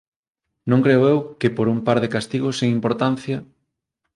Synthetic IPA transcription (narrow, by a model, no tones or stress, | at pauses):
nõŋkɾeoewkɪpoɾumpaɾðekast̪iɣʊseŋimpoɾt̪an̟θjɐ